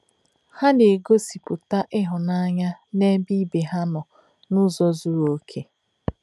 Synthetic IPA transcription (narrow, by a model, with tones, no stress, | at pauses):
ha˦de˨e˨ɡo˦si˨pu˨ta˦ʔɪ˦ɦʊ˨na˦ɲa˦ne˦bi˦be˨ɦa˦nʊ˨ | nʊ˦zɔ˦zʊ˦ɾo˦kʰe˦